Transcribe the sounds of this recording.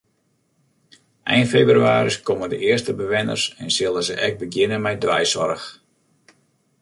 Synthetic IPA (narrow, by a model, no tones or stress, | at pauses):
ʔɛjnfebryaːɾiskomədəʔɪərstəbəʋɪnə̰rsɛnsɪlˠəzəʔɛk̚bəɡjɪnəmɛjdʋɛ̰jsɔɾəx